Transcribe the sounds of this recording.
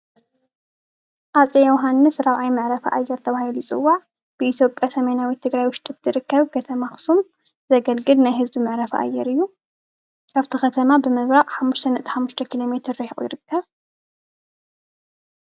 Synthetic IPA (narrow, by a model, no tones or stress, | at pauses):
ʔat͡sʼejɛwɦanːɨsɾaβʕajmɨʕɾɐfɐ̰ʔajːɛɾt̪ʰɐβahilujɪt͡sʼɨ̰wːaʕ | b̥ɨit̪ʰjo̞pʼjasɐmɐnawit̪ʰːɨɡɾajwʊʃt̪ʼɨt̪ːɨɾɨkːɐβkʰɐt̪ʰɐmaxɨ̥sum | zɐɡɐlɡɨlnajɦɨzbimɨʕɾɐfʔa̰jːɛɾɨjːu | kʰaβt̪ʰixɐt̪ʰɐmabɨmɨβɾaχʼħamːuʃt̪ʰɐnɨʔt̪ʰi̥ħamːuʃt̪ʰɐkʰilo̞me̞t̪ʰɨɾːɐhiχʼṵjɪɾɨkʰːɐβ